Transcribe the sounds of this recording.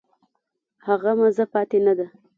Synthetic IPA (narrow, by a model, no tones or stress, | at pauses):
haɣamazapɑt̪enad̪a